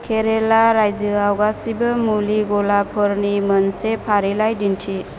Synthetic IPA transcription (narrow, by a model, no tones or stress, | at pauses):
kʰeɾelaɾajzɯawɡasibɐmuliɡɔlapʰɔɾnimənsepʰaɾilajdintʰi